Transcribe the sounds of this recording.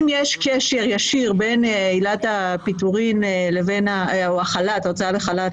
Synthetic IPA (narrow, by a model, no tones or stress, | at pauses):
mjeʃkeʃe̞ʁjaʃiʁbe̞nilat̪apituʁinlevenaaχalat̪ot͡saaleχalat